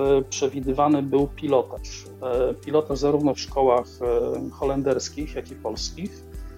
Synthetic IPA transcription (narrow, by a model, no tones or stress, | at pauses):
pʂɛvʲid̪ɘvanɘbɘwpʲilɔt̪aʂ | pʲilɔt̪aʐzaɾuvnɔfʂkɔwaxxɔlɛnd̪ɛɾskʲixjakʲipɔlskʲix